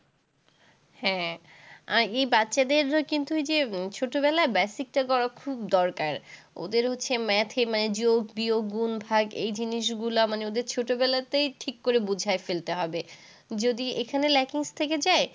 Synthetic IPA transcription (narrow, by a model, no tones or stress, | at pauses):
hɛ̃ | aɾejbatːɕad̪eɾkint̪ued͡ʑet͡ɕʰoʈobɛlaebɛsik̚ʈakɔɾakʰubd̪ɔɾkaɾ | o̰d̪eɾɦotːɕʰemɛt̪ʰemaned͡ʑoɡbioɡunbʱaɡḛjd͡ʑiniʃɡulamaneod̪eɾt͡ɕʰoʈobɛlat̪ejʈʰikːoɾebud͡ʑʱaefelt̪eɦɔbe | d͡ʑod̪iekʰanelɛkiŋst̪ʰeked͡ʑae